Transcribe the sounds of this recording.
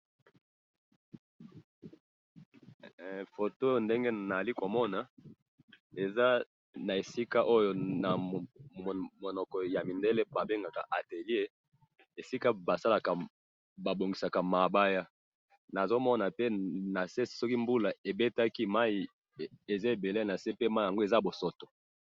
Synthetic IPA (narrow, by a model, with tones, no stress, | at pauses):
fo˨to˦jo˦nde˦ŋɡe˦na˨a˨li˦ko˨mɔ˦na˨ | e˨za˦ | na˨e˨si˦ka˦ʔo˦jo˦na˨ | mo˨nɔ˨kɔ˨ja˨mi˨nde˦le˦ba˨be˦ŋɡa˨ka̰˨ʔa˨te˨li˦e˦ | e˨si˦ka˦ba˨sa˦la˨ka˨ | ba˨bo˨ŋɡi˨sa˨ka˨ma˨ba˦ja˦ | na˨zo˦mɔ˦na˨pe˦na˨se˦si̥˨sɔ˦ki˦mbu˦la˨e˨be˦ta˦ki˦ma˦i˨ | e˨za˦e˨be˨le˦˨na˨se˦pe˦ma˦i˨ja˨ŋɡo˦e˨za˦bo˨sɔ˨to˨